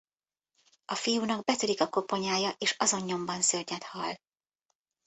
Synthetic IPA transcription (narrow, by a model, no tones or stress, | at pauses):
ɒfijuːnɒɡbɛt̪ylikɒko̞po̞ɲaːjɒʔeːʃɒzo̞ɲːo̞mbɒnsørɲɛt̪hɒl